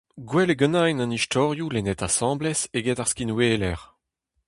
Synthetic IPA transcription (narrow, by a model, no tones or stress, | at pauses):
ɡwɛleɡɑnajnɑ̃nist̪ʰɔʁjulenɛtasɑ̃ːblɛseɡɛtaʁskinweːlɛʁ